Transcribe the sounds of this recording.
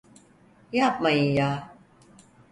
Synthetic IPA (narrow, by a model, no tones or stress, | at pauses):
jaːp̚majijaː